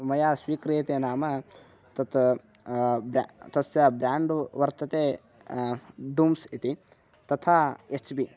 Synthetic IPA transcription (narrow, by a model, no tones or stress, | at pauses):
mɐjaːsʋiːkɾijt̪eːnaːmɐ | t̪ɐt̪ | bat̪ɐsjɐbɾʲaːɳɖʋɐɾt̪ɐt̪eː | d̪uːmsit̪i | t̪ɐt̪ʰaːet͡ʃbi